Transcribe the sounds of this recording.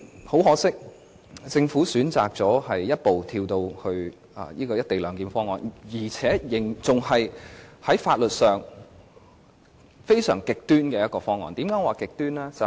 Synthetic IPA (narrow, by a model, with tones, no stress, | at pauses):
ho˨˥wɦɔː˨˥sɪ˥k̚ | t͡sɪ˧ŋfuː˨˥syː˨˥nt͡sa̰ː˨k̚t͡sɔː˨˥hɐ˨jːɐ˥t̚po˨wt̪ʰiː˧wt̪o˧whɵ˧ɥ | ɐ̰ː˨jiː˥kɔː˧jɐ˥t̪e˨jlœː˨˧ŋkiː˨˩nfɔː˥ŋɔ̰ː˨˩njiː˨˩t͡sʰɛː˨˥jɪ˨˩ŋt͡sʊ˨ŋhɐ˨jhɐ˨˥jfaː˧t̚lɵ˨t̚sœː˨ŋ | fe˥jsœ̰ː˨˩ŋkɪ˨k̚t̪yː˥nkɛː˧jɐ˥t̚kɔː˧fɔː˥ŋɔ̰ː˨nt̪iː˨˥mkaː˨˥waː˨˩kɪ˨k̚t̪yː˥nlɛː˥t͡sɐ˨